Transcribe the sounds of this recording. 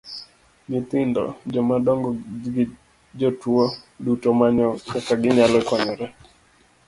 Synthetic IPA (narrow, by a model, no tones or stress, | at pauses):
ɡɪt̪ɪndɔ̰d͡ʒɔmadɔŋɡɔɡ | d͡ʒotwodutɔmaɲɔkakaɡɪɲalɔkɔɲɔɾɛ